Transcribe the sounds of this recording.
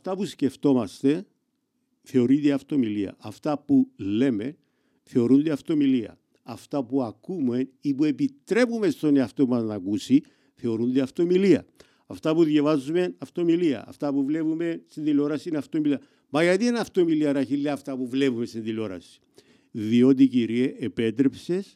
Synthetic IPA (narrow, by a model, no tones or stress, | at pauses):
ɐft̪apusce̞ft̪o̞mast̪e̞ | θe̞oɾid̪eaft̪o̞miliɐ̰aft̪apule̞me̞n | θe̞o̞ɾund̪eaft̪o̞miliɐ̰ː | ft̪apuakume̞nipue̞pit̪ɾe̞pumest̪o̞neaft̪o̞pumaznakusi | θe̞o̞ɾund̪eɐft̪o̞miliɐ̰ | ɐft̪apuðjavazume̞nɐft̪o̞miliɐ̰ɐ̰ft̪apuvle̞pume̞nst̪iðilo̞ɾɐsinɐft̪o̞miliɐ | mɐʝɐt̪ienɐft̪o̞miliɐɾaçilːeaft̪ɐpuvle̞pumest̪inðilo̞ɾɐ̰si̥ | ðio̞t̪̬iciɾieʔepe̞t̪̬ɾe̞pse̞s